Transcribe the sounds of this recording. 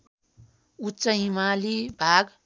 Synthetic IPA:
utːt͡sʌimalibʱaɡ

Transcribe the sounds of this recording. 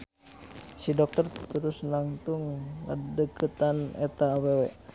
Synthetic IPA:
sidɔk̚t̪ɔrt̪əɾusnaŋt̪uŋːa̰dəkət̪anɛt̪aːwewe

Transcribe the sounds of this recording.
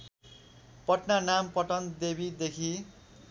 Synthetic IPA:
pʌʈnanampʌʈʌnd̪ebid̪ekʰi

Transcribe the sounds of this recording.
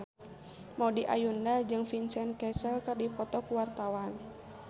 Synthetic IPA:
maudiʔa̰jundad͡ʒɨŋfinsɛnkɛsəlkərdipɔt̪ɔkuwart̪awan

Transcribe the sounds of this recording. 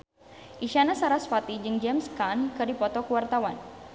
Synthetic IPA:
ʔiʃanasaɾasfat̪id͡ʒɨŋd͡ʒɛmskankɨdipɔt̪ɔkəwart̪awan

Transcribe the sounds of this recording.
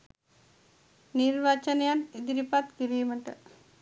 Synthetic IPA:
niɾʋat͡ʃɐnɐjanid̪iɾipat̪kiɾiːmɐʈə

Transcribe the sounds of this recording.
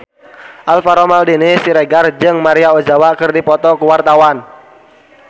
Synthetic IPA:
ʔalfaɾɔmaldinɪsiɾɛɡard͡ʒɨŋmaɾiaod͡ʒawakərdipɔt̪ɔkuwart̪awan

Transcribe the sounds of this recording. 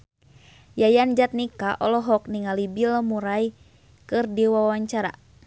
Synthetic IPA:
jajand͡ʒat̪̚nikaʔɔlɔɦɔk̚niŋalibilmuɾaj | kɨrdiwawaɲt͡ʃaɾa̰

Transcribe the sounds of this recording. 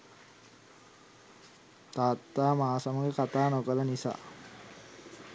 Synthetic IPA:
t̪aːt̪ːaːmaːsaməɡekat̪aːnokələnisa̰ː

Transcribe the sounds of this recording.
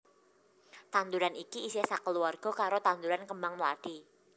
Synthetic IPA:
t̪and̪uɾanikiːsesakəluarɡ̥ɔ̤kaɾot̪and̪uɾankəmbaŋmla̰ɖ̥i

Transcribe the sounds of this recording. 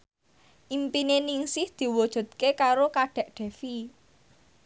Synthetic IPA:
ʔimpineniŋsɪhd̪̥i̤wɔd̥ʒ̥ṳd̪̥̚kekaɾokaɖ̥ɛ̤ʔɖ̪̥ɛ̤fi

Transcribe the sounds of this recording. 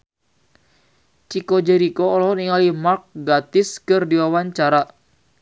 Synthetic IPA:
t͡ʃikod͡ʒɛɾikoɔlɔɦɔniŋalimark̚ɡat̪ɪskɨrdiwawaɲt͡ʃaɾa

